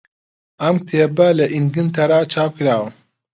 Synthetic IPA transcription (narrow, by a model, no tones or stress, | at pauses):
ɐmt̪ʰeːbɐlɐʔinɡɨnt̪ʰɐɾaːt͡ʃʰaːp̚kɾaːwɐ